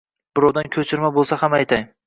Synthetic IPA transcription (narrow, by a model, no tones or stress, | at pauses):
b̥ɪɾɒwd̪ankʲʰɵt͡ʃʰɪɾmabolˠsahamajt̪ʰaŋ